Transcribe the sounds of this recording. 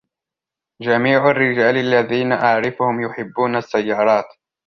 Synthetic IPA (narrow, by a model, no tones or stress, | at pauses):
d͡ʒamiːʕʊrːɪd͡ʒaːlalːaðiːnaʔaʕɾɪfʊhʊmjʊħɪbːuːnasːajːɑːɾˤɑːt̪